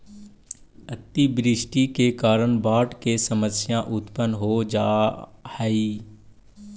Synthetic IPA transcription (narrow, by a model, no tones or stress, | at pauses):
ət̪ːibɾɪʃʈikekaːɾəɳbaːʈkesəməsjãʔʊt̪pənɦod͡ʒaːhɛiː